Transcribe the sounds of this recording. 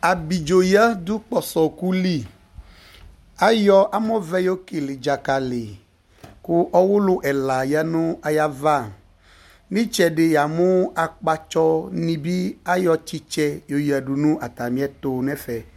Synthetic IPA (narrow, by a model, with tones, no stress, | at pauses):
a˨bi˨d͡ʒo˨ja˦d̪u˦k͡pɔ˨sɔ˨ku˦li˦˨ | a˦jɔ˦ʔa˦mɔ̃˦vɛ˦jo˦ke˨le˨d͡ʒa˨ka˨le˨ | ku˦ʔɔ˦wo˦lo˦ʔɛ˨la˨ja˦nũ˦a˨ja˦va˦˨ | mĩ˦t͡ʃɛ˨ɖe˨ja˨mũ˦a˨k͡pa˦t͡ʃɔ˦nĩ˨bi˦a˦jɔ˦t͡ʃi˦t͡ʃɛ˦jo˨ja˨ɖu˨nũ˦ʔa˨t̪a˨mĩ˦ɛ˦t̪o˨nɛ̃˦fɛ˨